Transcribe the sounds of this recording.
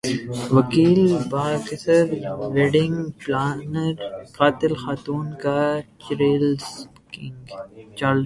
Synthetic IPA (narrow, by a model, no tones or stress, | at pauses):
ʋɐkiːlbaːkɪsəɾʋɛːɖɪ̃ŋɡplaːnəɾqaːt̪ɪlxaːt̪uːnkat͡ʃɾeːls | kɪŋɡt͡ʃaːl